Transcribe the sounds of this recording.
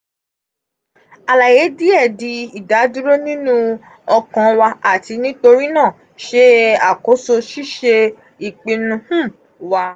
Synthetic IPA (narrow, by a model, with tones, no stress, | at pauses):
a˨la˨je˨˦di˦ɛ˦˨di˧˦i˦˨da˨˦du˦ɾo˦nĩ˦nũ˦ | ɔ˧kã˨wa˧a˨ti˨˧˦nĩ˦to˧ɾi˦nãː˦˨ | ʃe˦a˦˨ko˨˦so˧ʃi˦ʃe˧ | i˨k͡pĩ˧nũ˧hũ˦˨ | wa˧